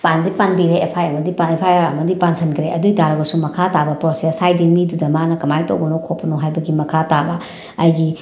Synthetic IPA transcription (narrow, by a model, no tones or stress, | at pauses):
pandipanbiɾeːpʰajɐmɐdipaepʰajaɾɐ̰mɐdipansʰɐnkʰɾeɐdujdaɾɐɡɐsumɐkʰatabɐpɔsasajdilmidudɐmanɐkɐmajto̰wbɐnokʰopːɐnoɦajbɐɡimɐkʰatabɐ | ɐjɡi